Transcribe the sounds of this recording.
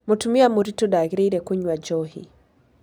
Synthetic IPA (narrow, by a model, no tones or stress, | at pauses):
motumiamuɾitudaɡɾiɾɛkuɲwad͡ʒɔhḭ